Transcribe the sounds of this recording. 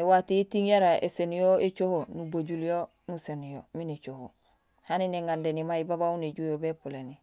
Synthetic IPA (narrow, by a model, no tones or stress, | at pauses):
watiitiŋjaɾaʔḛsenijoet͡ʃohonuboɟuljo | nusenijominet͡ʃoho | hanineŋandenimaibabauneɟujobepuleni